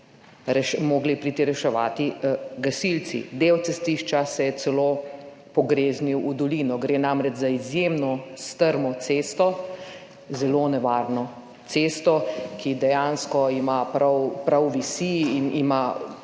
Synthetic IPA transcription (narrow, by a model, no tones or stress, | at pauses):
ɾɛʃmoːɡlipɾit̪iɾɛʃɛʋa̰ːt̪iɡɐsilt̪sḭd̪ewt̪sɛst̪iʃt͡ʃasɛjɛt̪sɛlo | pɔɡɾeːzniwʔud̪ɔliːnɔɡɾeːnamɾɛt͡ʃzaizjemnɔst̪əɾmɔseːst̪ɔ | zɛloːnɛʋaːɾnɔ | t̪seːst̪ɔkid̪ɛjanskɔimapɾawpɾawʋisiːnḭma